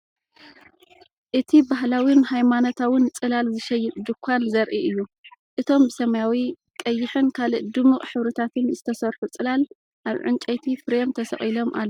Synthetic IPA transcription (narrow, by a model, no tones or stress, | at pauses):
ʔɨt̪ʰibaɦlawinhajmanot̪ʰawɨnt͡sʼɨlalzɨʃɐjːɪt̪d̪ɨkʷʰːanzɐɾʔiʔɨjːuʔɨt̪ʰo̞mbɨsɐmɐjawikkʼɐjːɪħɨnkʰalɨʔd̪ɨmɨχʼħɨβɾɨt̪ʰat̪ʰɨnzɨt̪ʰɐsɐɾħut͡sʼɨlal | ʔaβʕɨ̰nt͡ʃʼɐjt̪ʰifɨɾemt̪ʰɐsɐχʼilo̞mʔa̰lː